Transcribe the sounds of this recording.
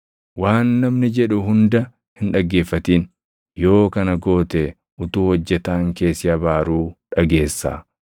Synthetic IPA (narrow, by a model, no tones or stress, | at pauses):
waːnːɐmnɪd͡ʒɛᶑʊɦʊnd̪ɐ | hɪnᶑɐɡːe̞ːfːɐt̪iːn | jo̞ːkɐnɐɡo̞ːt̪ɛ | ʔʊt̪uːhɔd͡ʒːɛt̪aːŋke̞ːsɪɐbaːɾuːᶑɐɡe̞ːsːa̰ː